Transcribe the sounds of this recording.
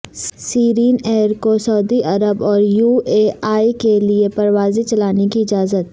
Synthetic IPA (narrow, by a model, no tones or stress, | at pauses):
siːɾiːneːɾkosɐʊːd̪iʔɐɾəbɔːɾjuːeːaːikeliepɐɾʋaːzit͡ʃɐlaːnekiɪd͡ʒaːzət̪